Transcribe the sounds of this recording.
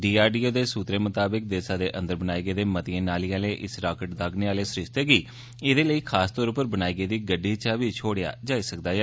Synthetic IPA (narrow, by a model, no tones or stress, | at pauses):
ɖiːaːɾɖiːoːd̪eːsuːt̪ɾeːmət̪aːbək̚d̪eːsaːd̪eːʔə̃nd̪əɾbənaːiːɡeːd̪eːmət̪ɪẽːnaːliːaːleːʔɪsɾaːkəʈd̪aːɡneːaːleːsɾɪʃt̪eːɡiː | ed̪eːləiːkʰaːst̪ɔːɾʊpːəɾbənaːiːɡeːd̪iːɡəɖːiːt͡ʃaʋiːt͡ʃʰoːɽɪja̰ːd͡ʒaːiːsəkd̪aːjaː